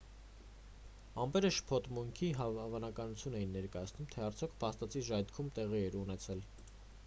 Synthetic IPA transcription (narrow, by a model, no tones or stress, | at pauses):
ɑmbɛɾəʃə̥pʰɔt̪muŋkʰiɦɑvɑnɑkɑnut͡sʰjunɛjinːɛɾkɑjɑt͡sʰnumt̪ʰɛɑɾt͡sʰjɔkʰpʰɑst̪ɑt͡sʰiʒɑjt̪kʰumt̪ɛʁiɛɾunɛt͡sʰɛl